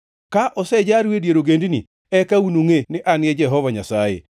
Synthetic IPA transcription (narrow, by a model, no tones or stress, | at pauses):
kaʔɔsɛd͡ʒaɾwedjeɾoɡendinḭ | ɛkaunuŋenɪʔanjɛd͡ʒɛɦɔvaɲasajḛ